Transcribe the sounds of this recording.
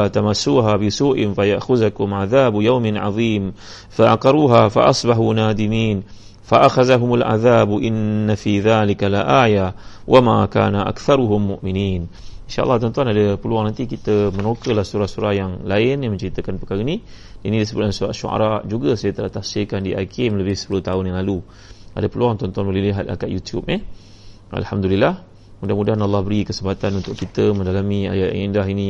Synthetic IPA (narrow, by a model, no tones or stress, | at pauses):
at̪amasːuːɦabɪsuːʔɪnfaja̰ʔxʊðakʊmʕaðaːbjawmɪnʕɑ̰ðˤiːm | faʔa̰qɑɾuːɦafa̰ʔɑsˤbaɦunaːd̪ɪmiːn | faʔaxaðaɦʊmalʕa̰ðaːbʔɪnːafiðaːlɪkalʔaːja | wʔamaka̰ːnaʔa̰kθaɾʊɦʊmːʊʔmɪniːninʃaʔlːɑt̪ɔnt̪uanadəpəluaŋnant̪ikit̪əmənokəlahsuɾahsuɾahjaŋlaɪnamə̃ɲt͡ʃəɾit̪əkanpəkaɾəini | inidisəbunansuɾa̰ʔʃṵʔa̰ɾaʔd͡ʒuɡəsajət̪əlaht̪ahsɪkandiʔa̰kʰɪmləbɪhsə̥pulʊht̪aʊnjaŋlalu | ʔa̰dapəluaŋt̪ɔnt̪uanbəliliɦat̪̚a̰kaʔjut̪jṵp̚ɛh | ʔa̰lhamd̪ulilːah | mudahmudaɦnɑlːɑhbəɾikəsəmpat̪anunt̪ʊʔkit̪əmə̃ndalamĩa̰jaʔindaɦini